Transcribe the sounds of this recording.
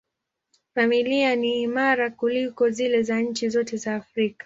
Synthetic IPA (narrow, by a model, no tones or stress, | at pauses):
familianiːmaɾakulikɔzilɛzaɲ̩t͡ʃizɔtɛzaːfɾikḁ